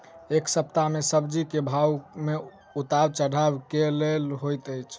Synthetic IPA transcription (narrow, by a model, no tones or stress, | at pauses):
eksəp̚t̪amesəbd͡ʒikebʱawme | ut̪abt͡ʃəɽabkelelɦojt̪əjt͡ʃʰ